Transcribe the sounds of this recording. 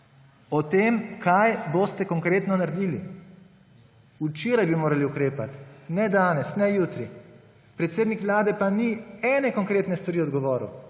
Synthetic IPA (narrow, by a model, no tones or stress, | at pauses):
ɔt̪eːmkʰajboːst̪ɛkɔŋkɾeːt̪nɔnaɾed̪iːli | ut͡ʃeːɾajbimoːɾaliukɾeːpat̪nɛd̪aːnɛsnɛjut̪ɾi | pɾɛt̪seːd̪nikʋlaːd̪ɛpaniɛnɛkɔŋkɾeːt̪nɛst̪ʋaɾiːɔd̪ɡɔʋɔːɾṵ